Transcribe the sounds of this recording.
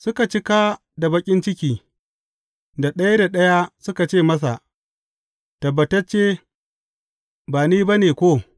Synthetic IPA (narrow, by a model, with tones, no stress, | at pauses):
sʊ˦ka˨t͡ʃɪ˦kaː˦ | da˨bɐ˦kʲʼɪ˦nt͡ʃɪ˦kʲiː˨ | da˨ɗɐ˦ja˦da˨ɗɐ˦ja˦sʊ˦ka˨t͡ʃeː˦˨mɐ˦s̬a˨ | tɐ˨bːɐ˨tɐ˦t͡ʃeː˦ | baː˨niː˦ba˦neː˨kʷoː˦